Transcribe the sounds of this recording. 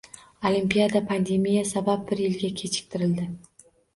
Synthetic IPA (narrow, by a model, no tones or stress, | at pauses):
olimpijad̪apʰand̪e̞mijasabap̚bɪɾjɪlɡʲakʲʰe̞t͡ʃʰɪ̥k̚ʲt̪ʰɪɾɪld̪ɪ